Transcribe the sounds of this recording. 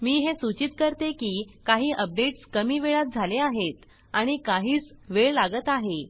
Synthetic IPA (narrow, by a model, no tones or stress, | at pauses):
miːɦesut͡ɕit̪̚kəɾt̪ekiːkaɦiːʔəp̚ɖeʈskəmiːʋeɭat̪̚d͡zʱaleaɦet̪ | aɽ̃ikaɦiːt͡sʋeɭlaɡət̪aɦe